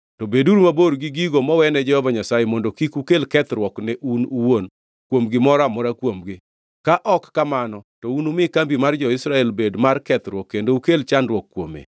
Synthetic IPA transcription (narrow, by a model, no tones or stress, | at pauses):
tobeduɾumaboɾɡiɡiɡomɔwɛnɛd͡ʒɛhɔvaɲasajemɔndokikukelkɛt̪ɾwɔknɛʔunuwon | kwomɡɪmɔɾamɔɾakwomɡɪ | kaʔɔkːamanɔtɔunumɪkambimard͡ʒɔɪsɾaɛlbedmarkɛt̪ɾwɔkːendoukelt͡ʃandwɔkːwomḛ